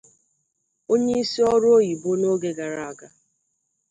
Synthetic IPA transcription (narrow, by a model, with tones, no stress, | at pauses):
o˦ɲe˦i˦si˦ɔ˦ɾʊ˦o˦ji˨bo˦no˦ɡe˨ɡa˨ɾa˨a˨ɡa˨